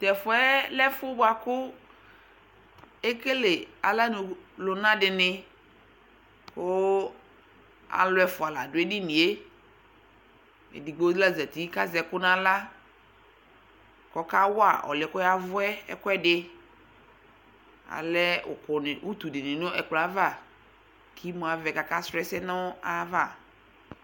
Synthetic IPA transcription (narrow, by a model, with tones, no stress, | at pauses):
tɛ˨fʊ˨˦ɛ˦lɛ˦fʊ˦bʊ˦a˨kʊ˦ | e˦ke˦le˨a̰˨la˦nʊ˨lʊ˨nã˦dɪ˨nɪ˦ | kʊ˦ | a̰˨lʊ˨˦ɛ˨fʊ˨a˨la˨dʊ˨ɛ˦dɪ˦nɪ˨e˦ | ḛ˨di˨ɡ͡bo˦zla˦˨zɛ˨ti˨˦ka˦zɛ˨kʊ˦nã˦la˦ | kɔ˦ka˦wʊ˦a̰˨ʔɔ̰˨lɪ˨˦kɔ˦ja˦vʊ˦ɛ˦ɛ̰˦kwɛ˦dɪ˦ | a̰˨lɛ˦ʊ̰˨kʊ˨nɪ˨u˦tu˨dɪ˨nɪ˨nʊ̃˦ɛ˨k͡pla˦va˦˨ | kʰi˦mʊ̃˨a˨vɛ˨ka˨ka˦sɾɛ˦sɛ˦nʊ˦a˦va˦˨